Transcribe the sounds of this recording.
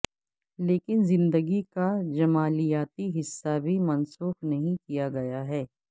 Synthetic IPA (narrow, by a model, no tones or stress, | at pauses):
leːkɪnzɪ̃nd̪əɡikad͡ʒɐmaːlijaːt̪iɦɪsːabʱimɐnsuːxnɐɦĩkijaɡɐjaɦɛː